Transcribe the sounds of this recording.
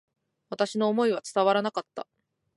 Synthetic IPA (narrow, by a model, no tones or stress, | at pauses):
βat̪aɕino̞ːmo̞iβ̞at͡sɨ̥t̪aβ̞aɾanakat̪ːa̰